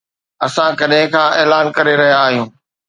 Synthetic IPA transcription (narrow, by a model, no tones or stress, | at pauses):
ɐsãkɐɗɦɪ̃kʰãːeːlaːnkɐɾeɾɐɦijaːɦijũː